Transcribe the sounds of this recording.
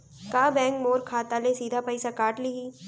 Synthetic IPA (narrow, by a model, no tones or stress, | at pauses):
kaːbɛ̃ːŋkmoːɾkʰaːt̪alẽsiːd̪ʱapɐɪsakaːʈliɦiː